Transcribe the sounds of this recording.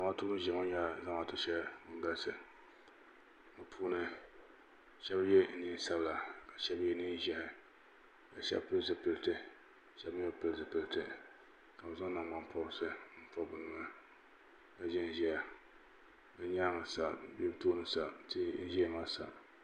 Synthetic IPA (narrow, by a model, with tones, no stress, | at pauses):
a˨ŋa˦tu˦nɨ˦ʒɛ˨ŋa˦ɲa˦za˦ŋa˨tɨ˦ʃɛ˦˨ŋ˦ɡa˦lsɨ˨ | mɨ˨pʰuː˦nɨ˦ | ʃɛ˦bjɛ˦ni˦n˦sa˦bla˨ka˨ʃɛ˦bjɛ˦ni˦n˦ʒɛ˦hɪ˨ | ka˨ʃɛ̰˦bpɨ˦lzɨ˨pɨ˦ltɨ˦ | ʃɛ˦bjɛ˦pɨ˦lzɨ˨pɨ˦ltɨ˨ | ka˨bza˦nːa˨ŋ˦a˦m˦pʰɔ˦ɾsɨ˦m̩˦pɔ˦bɨ˨nɨ˨ŋa˦˨ | ka˨ʒɛ˦n˦ʒi˦a˨ | bɨ˦ɲaː˦ŋɨ˨sa˨˦bɛ˦btoː˦nɨ˦sa˨ti˦n̩˦ʒɛ˦˨ma˦sa̰˨